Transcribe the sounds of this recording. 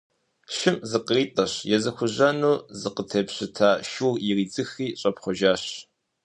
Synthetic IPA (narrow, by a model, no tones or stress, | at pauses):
ʃɪmzɨqəriːtʼɐɕjɛzɐxʷʊʑɐnuːzɨqətʰeːpɕɨtʰaːʃuːririːd͡zɨxiːɕʼɐpχʷɔʒaːɕ